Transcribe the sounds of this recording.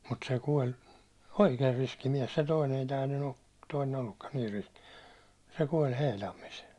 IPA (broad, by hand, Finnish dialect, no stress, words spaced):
mut se kuolʲ oikeːr riski miɛs se toinen ei tæː ny toinen olːukːɑn niːr riski se kuolʲ heilɑmːis